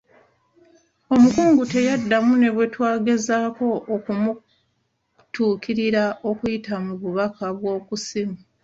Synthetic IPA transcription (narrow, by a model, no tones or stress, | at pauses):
o̞mukuːŋɡute̞jadːamune̞βwe̞twaːɡe̞zaːko̞ʔːkumu | tuːkʰiɾiɾaʔo̞kujitamuβuβakʰaβwo̞ːkusimi